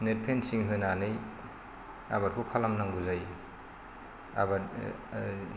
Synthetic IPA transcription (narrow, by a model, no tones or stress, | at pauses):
net̚pʰensiŋɦɯnanɯj | abaɾkʰukʰalamnaŋɡuzaj | a̰baɾ